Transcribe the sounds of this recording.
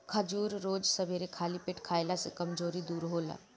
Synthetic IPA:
kʰəd͡ʒuːɾɾoːd͡ʒsəbʱeɾekʰaːlipɪʈʰkʰaːjlasḛkɐmd͡ʒoːɾid̪uːɾɦoːla̰ɡ

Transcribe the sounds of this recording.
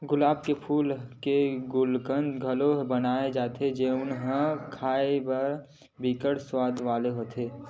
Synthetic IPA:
ɡʊlaːb̚kepʰuːlkeɡʊlkənd̪ɡʱəloɦbənaːed͡ʒaːt̪ʰed͡ʒeʊnɦə̃kʰaːebəɾ | biːkəɽswaːd̪ʋaːleɦoːt̪ʰeː

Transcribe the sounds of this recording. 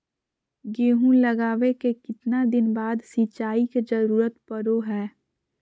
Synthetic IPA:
ɡeːɦũlɐɡaːʋekekɪt̪nad̪ɪnbaːd̪siːt͡ʃaːiked͡ʒɐɾuːɾət̪pəɾoɦɛː

